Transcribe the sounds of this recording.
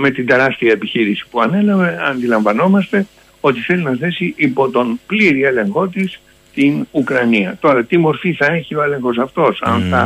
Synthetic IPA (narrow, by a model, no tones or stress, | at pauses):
me̞t̪ind̪e̞ɾɐst̪iɐepiçiɾisi̥puɐne̞lɐveɐnd̪ilɐɱvɐno̞mɐst̪e̞ | o̞t̪iθe̞linɐθe̞siʔipo̞t̪o̞npliɾie̞le̞ŋxo̞t̪is | t̪inukɾɐniɐt̪o̞ɾɐt̪imo̞ɾfiθɐe̞çio̞e̞le̞ŋxo̞sɐft̪o̞sɐ̰nθɐ